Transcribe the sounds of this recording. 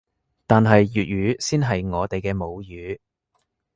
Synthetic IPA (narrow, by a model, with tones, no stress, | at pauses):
t̪aː˨nɦɐ˨jːyː˨t̚jyː˨˧˥siː˥nɦɐ˨jŋɔː˨˧t̪e˨jkɛː˧mo˨˧wjyː˨˥